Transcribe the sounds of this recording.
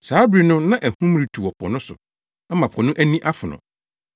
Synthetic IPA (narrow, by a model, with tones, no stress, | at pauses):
saː˨˦bɾi˨nʊ̃˦nã˦ʔæ˨hũ˦m˦ɾi˨tʰu˨wɔ˨pʰɔ̰˨nʊ̃˦sʊ̰˨ | a˦mã˨pʰɔ̃˨nʊ̃˦ʔæ˦nĩ˦ʔa˦fʊ˨nʊ̰̃˨